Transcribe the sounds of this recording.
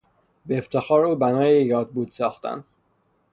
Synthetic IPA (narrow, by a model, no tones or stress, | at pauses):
beːft̪ʰexɒːɾuːbænɒːjejɒːd̪̚buːd̪sɒːxt̪æ̰nd̪̥